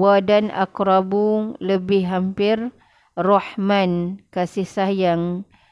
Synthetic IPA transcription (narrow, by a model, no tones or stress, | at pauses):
wadana̰kɾabuləbɪhɦampɪr | rɔħmankasihsajaŋ